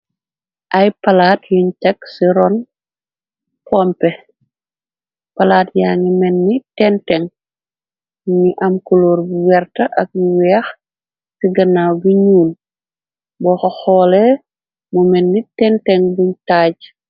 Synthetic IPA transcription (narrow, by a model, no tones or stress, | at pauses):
ʔɐjpɐlaːtjuɲtɛksiɾɔn | pʰɔmpɛ | pɐlaːtjaːŋimɛnːitɛntɛŋ | ɲiʔɐmkuloːɾbuwɛrtɐʔɐk̚iwɛːx | siɡɐnaːwbiɲuːn | bɔxɔxɔlɛ | mumɛnːitɛntɛŋbuɲtaːɟ